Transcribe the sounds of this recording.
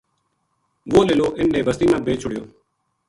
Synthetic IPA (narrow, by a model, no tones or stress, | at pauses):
ʋoːleːloːʔɪnːẽːbəst̪iːmãːbʱeːt͡ʃʰʊɽɪjoː